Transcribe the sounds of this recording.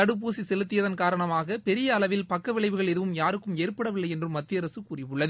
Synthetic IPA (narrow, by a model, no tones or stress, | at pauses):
ɐɽɯp̬oːsisɛlɯt̪̬ːɪjɐðɐnkaːɾɐɳɐmaːɣɐpɛɾɪjɐːlɐʋɪlpɐkːɐʋɪɭɐɪʋɯɣɐɭɛðɯʋɯmjaːɾɯkːɯmeːrpɐɽɐʋɪlːɐɪɛndrɯmːɐt̪ːɪjɐɾɐsɯkuːrɪʋɯɭːɐð